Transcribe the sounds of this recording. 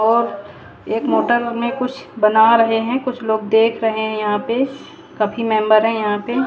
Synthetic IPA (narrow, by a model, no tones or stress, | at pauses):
ɔːɾ | eːkmoːʈəɾmẽkʊt͡ʃʰbɐnaɾɐɦeɦɛ̃kʊt͡ʃʰloːɡ̚d̪eːkʰɾɐɦeɦɛ̃jɐɦãpe | kɐpʰimɛ̃ːmbəɾɦɛ̃jɐɦãpe